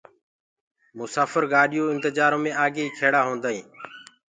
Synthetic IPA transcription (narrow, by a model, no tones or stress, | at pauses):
mʊsaːfəɾɡaːɗɪjoːɪnt̪ɪd͡ʒaːɾõːmẽːaːɡeːiːkʰeːɽaːɦõːnd̪aːĩː